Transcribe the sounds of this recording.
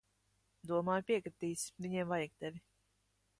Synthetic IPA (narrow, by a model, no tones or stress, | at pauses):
d̪uɔmaːjpʲiɛkɾit̪iːsvʲiɲiɛmvajiɡ̚d̪ɛvʲi